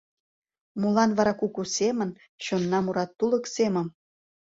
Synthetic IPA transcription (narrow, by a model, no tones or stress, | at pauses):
mulɑnβɑɾɑkukusemə̆n | ɕonːɑmuɾɑt̪ːuləksemə̆m